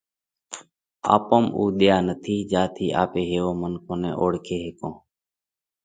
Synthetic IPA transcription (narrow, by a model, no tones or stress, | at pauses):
a̰ːpəmṵːɗ̪jaːnət̪ʰiːd͡ʒaːt̪ʰiːʔa̰ːpeːɦeːʋõːmənkʰõːnḛːʔoːɽkʰeːɦeːkõː